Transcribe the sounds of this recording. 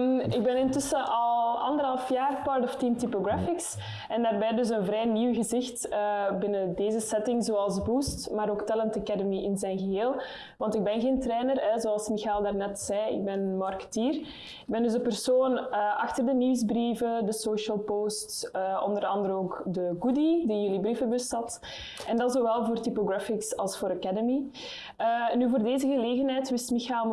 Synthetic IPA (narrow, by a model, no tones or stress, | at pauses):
ɪɡ̚bɛnɪntʏsəʔɑlˠɑ̰ndəɾɦɑlˠfjaːrpɑrtɔftimtipoɡrafɪks | ɛndaːrbɛːdɵs̬ənvɾɛːjniwɣəzɪxtəbɪnədeːzəsɛtɪŋzoːɑlˠsbustmaːɾoːktɛlɛntəkɛdəmiʔɪnzɛjnɣəɦeːlˠ | ʋɑntɪɡ̚bɛnɣeːntrɛːnərɛzoːɑlˠsmixalˠdaːrnɛtsɛjɪ̰ɡ̚bɛnmɑrkə̥tiːr | ɪɡ̚bɛndʏzəpərsoːnəːʔɑxtərdəniwzbrivədəsoːʃəlˠpoːstsəɔ̰ndəɾɑndəɾənoːkdəɡudidijylibrifəbɵsthɑt | ɛndɑtzoːʋɛlˠvoːrtipoɡrafɪksɑlˠsfoːɾakɛdəmi | ənyːvoːrdeːzəɣəleːɣənɦɛːjtʋɪstmixalˠ